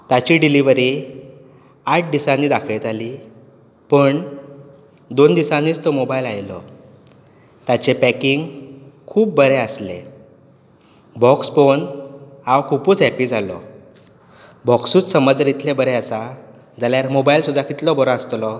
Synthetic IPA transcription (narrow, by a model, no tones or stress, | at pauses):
t̪at͡ɕiɖiliʋəɾi | aʈ̚ʰd̪isãnːiːd̪akʰəjt̪ali | pəɳ | d̪ond̪isãnːiːt͡st̪ɔmobailajlɔ | t̪at͡ɕepækiŋɡkʰuːp̚bəɾeəsle | bɔksponawkʰupuːt͡sɦɛpid͡zʱalɔ̰ | bɔksuːt͡ssəməd͡zɾit̪ʰlebəɾeəsa | d͡zaljaɾmobailsud̪ʱakit̪lɔbɔɾəst̪lɔ